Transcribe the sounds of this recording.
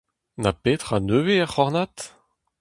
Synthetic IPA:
napet̪χanøːveaʁχɔʁnat̪

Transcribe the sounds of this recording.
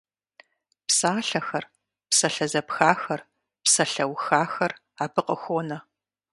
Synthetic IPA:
psaːɬɐxɐr | psɐɬɐzɐpxaːxɐr | psɐɬɐwxaːxɐr | aːbɨqəxʷoːnɐ

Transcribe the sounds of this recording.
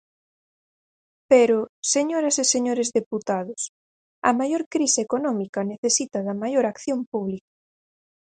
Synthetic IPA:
peɾʊseɲoɾɐseseɲoɾezðeput̪aðʊs | ɐmajoɾkɾisekonɔmikɐneθesit̪ɐðɐmajoɾakθjompuβlikḁ

